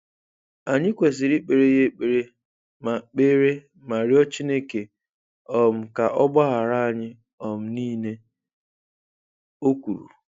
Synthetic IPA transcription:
a˨ɲɪ˦kʷe˨s̬ɪ˨ɾi˦k͡pe˨ɾe˦je˦k͡pe˨ɾe˦ | ma˨k͡pe˦ɾe˦ | ma˨ɾi˦ɔ˦t͡ʃi˦ne˦ke˨ | ɔ˨m̩˨ka˨ʔɔ˦ɡ͡ba˦ɦa˨ɾa˦a˨ɲɪ˦ | ɔ˨m̩˨˦niː˦ne˦ | o˦kʷu˨ɾṵ˨

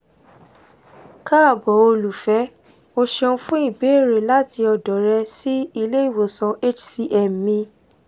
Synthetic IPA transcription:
ka˦˨bɔ˨o˧lu˨fɛ˨˦ | o˧ʃe˧ũ˧fũ˦i˦˨be˨˦˨ɾe˨la˦ti˧ɔ˨dɔ˨ɾɛ˧si˦i˧le˦i˦˨wo˨sɔ̃˨˦e˦t͡ʃsi˦ʔɛ˨m˨mĩ˧

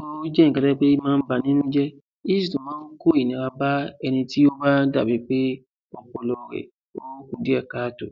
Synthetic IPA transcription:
o˦d͡ʒɛ˦˨kɛ˧ɾɛ˦k͡pe˦mãː˦n̩˦ba˧nĩ˦nũ˦d͡ʒɛ˦ | i˦si˨tũ˨mãː˨˦n̩˦ko˦i˨nĩ˨˧˨a˧ba˦ɛ˧nĩ˧ti˦o˦ba˦da̰˦˨bi˨˦k͡pe˦ | ɔ˧k͡pɔ˨˧˨lɔ˧˨wɛ̰˨ | o˦ku˦˨di˨˦ɛ˦˨ka˨˦to˨

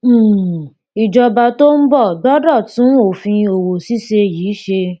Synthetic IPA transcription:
i˨d͡ʒɔ˧ba˧to˦n̩˦bɔ˦˨dɔ˦dɔ˦˨tũ˨˦o˨fĩ˧o˨wo˨si˦ʃe˧jiː˨˦ʃe˧

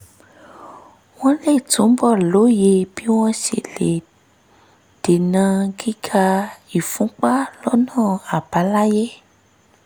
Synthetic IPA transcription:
w̃ɔ̃˦le˦˨tũ˨˦bɔ˦˨lo˨˦je˧b̥i˦w̃ɔ̃˦ʃḛ˨le˨ | d̥e˨nã˧ɡi˦ɡʰa˧i˨fũ˨˦k͡pa˦lɔ˦nãː˦˨a˨ba˨˦la˦je˦

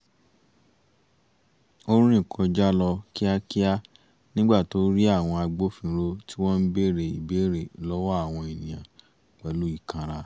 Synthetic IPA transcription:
o˦ɾ̃ĩ˦˨kʰɔ̃˨˧d͡ʒa˦lɔ˧ki˦a˦ki˦a˦ | nĩ˦ɡ͡ba˦˨to˦ɾi˦a˦˨w̃ɔ̃˧a˧ɡ͡bo˦fĩ˧ɾo˧ti˦wɔ̃˦n̩˦be˦˨ɾe˨ḭ˨be˨˦ɾe˨lɔ˦wɔ˦a˦˨w̃ɔ̃˧e˨nĩ˨jã˨ | k͡pɛ˨lu˨˦i˦˨kʰã˧ɾa˧

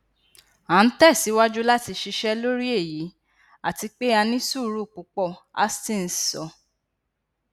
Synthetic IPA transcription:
ã˨˦n̩˦tɛ˦˨si˨˦wa˦d͡ʒu˦la˦ti˧ʃi˧ʃɛ˦lo˦ɾi˦e˦˨ji˨˦ | a˦˨ti˧k͡pe˦a˧nĩ˦su˦˨ɾu˦˨k͡pu˨˦k͡pɔ˦˨a̰˦stĩ˦˨n̩˦sɔ˧˨

